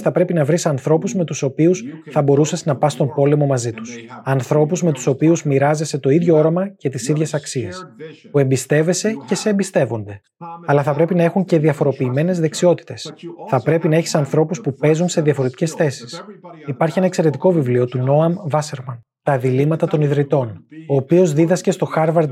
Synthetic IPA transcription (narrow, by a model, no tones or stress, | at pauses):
θɐpɾe̞pinɐvɾisɐnθɾo̞puzme̞t̪uso̞piusθɐbo̞ɾusesnɐpɐst̪o̞mpo̞le̞mo̞mɐzit̪u̥sɐnθɾo̞puzme̞t̪u̥so̞piuzmiɾɐze̞se̞t̪o̞iðʝo̞o̞ɾɐmɐce̞t̪isiðʝe̞sɐksiespue̞mbist̪e̞ve̞se̞ce̞se̞ːmbist̪e̞vo̞nd̪e̞ | ɐlɐθɐpɾe̞pinɐe̞xuɲce̞ðiɐfo̞ɾo̞piːme̞ne̞zðe̞ksio̞t̪i̥t̪e̞sθɐpɾe̞pinɐe̞çi̥sɐnθɾo̞puspupe̞zunse̞ðiɐfo̞ɾe̞t̪i̥ce̞sθe̞si̥sipɐɾçie̞nɐekse̞ɾe̞t̪iko̞vivlio̞t̪uno̞ɐmvɐseɾmɐn | t̪ɐðilimɐt̪ɐt̪o̞niðɾit̪o̞no̞ːpio̞zðiðɐsce̞st̪o̞xɐɾvɐɾd̪